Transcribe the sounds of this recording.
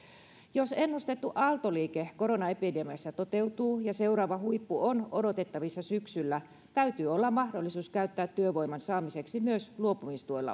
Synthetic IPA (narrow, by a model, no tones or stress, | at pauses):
josenːust̪e̞t̪ːuʔɑlt̪oliːkeko̞ɾo̞nɑepidemiɑsːɑt̪ot̪e̞ut̪uːjɑse̞urɑːʋɑhuipːuono̞do̞t̪e̞t̪ːɑʋisːɑsyksylːæ | t̪æyt̪yːo̞lːɑmmɑhdo̞lːisuːskæyt̪ːæːt̪ːyøʋo̞jmɑnsɑːmise̞ksimyøsluopumist̪uolːɑ̰